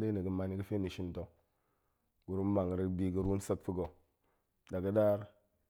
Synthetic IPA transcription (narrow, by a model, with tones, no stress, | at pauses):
de˦ni˨ɡə˨ma˨ni˦kə˦fe˦ni˨ʃi˦nto˨ | ɡu˨ɾu˦n˦ma˨ŋ˨ɾə˨˦bi˦ɡə˨ɾu˦sə˦k̚fi˦ɡo˨ | da˨ɡə˦ɗa˦ɾ